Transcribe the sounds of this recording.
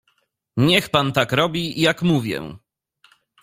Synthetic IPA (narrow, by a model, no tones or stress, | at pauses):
ɲɛxpant̪akɾɔbʲijakmuvʲjɛ̰